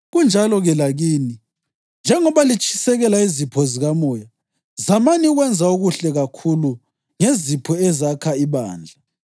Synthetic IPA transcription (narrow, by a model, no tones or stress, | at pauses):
ɣund͡ʒʱalɔɣɛlaɣiːni | nd͡ʒʱɛŋɔβalit͡ʃʼʰi̥sɛɣɛlaizipʰɔziɣamɔja | zamaniɣwɛnd͡zʱauɣuɬɛɣakʰulu | ŋezipʰɔɛzakʰaiβa̰ːnd͡ɮʱa